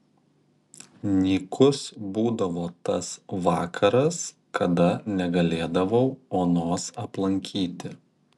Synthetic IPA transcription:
nʲiːkʰʊsbuːd̪ɐʋoːt̪ɐsʋɑːkʰɐɾɐs | kʰɐd̪ɐnʲɛɡɐlʲeːd̪ɐʋɐʊoːnoːsɐplˠɐŋʲkʲʰiːt̪ʲɪ

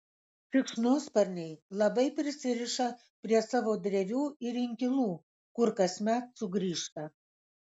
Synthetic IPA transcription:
fʲɪkʃnoːspɐɾʲnʲɛɪlˠɐbɐɪpʲɾʲɪsʲɪɾʲɪʃɐ | pʲɾʲiɛsɑːʋoːd̪ʲɾʲɛʋʲuːɪɾʲɪŋʲkʲɪlˠuː | kʊɾkɐsʲmʲæt̪sʊɡɾʲiːʃt̪ɐ

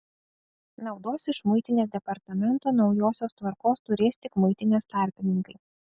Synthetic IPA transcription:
nɐʊd̪oːsɪʃmʊɪt̪ʲɪnʲeːsd̪ʲɛpɐɾt̪ɐmʲɛnt̪oːnɒʊjoːsʲoːst̪ʋɐɾkoːst̪ʊɾʲeːst̪ʲɪkmʊɪt̪ʲɪnʲeːst̪ɑˑɾʲpʲɪnʲɪŋkɐɪ

